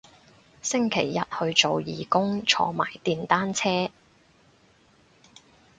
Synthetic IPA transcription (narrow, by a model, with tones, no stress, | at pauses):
sɪ˥ŋkʰe˨˩jːɐ˨t̚hɵ˧ɥt͡so˨wjiː˨˩kʊ˥ŋt͡sʰɔ̰ː˧ma̰ː˨˩jt̪iː˨nt̪aː˥nt͡sʰɛː˥